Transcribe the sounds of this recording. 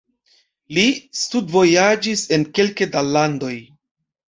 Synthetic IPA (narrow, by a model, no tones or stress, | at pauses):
listudvo̞jad͡ʒise̞nke̞lkedalando̞j